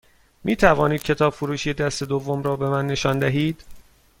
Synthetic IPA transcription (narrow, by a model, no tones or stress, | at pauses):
miːt̪ʰævɒːniːd̪̚cʰe̞t̪ʰɒːbfuɾuːʃiːd̪æst̪e̞d̪ovːomɾɒːbe̞mænːe̞ʃɒːnd̪æɦiːd̪̥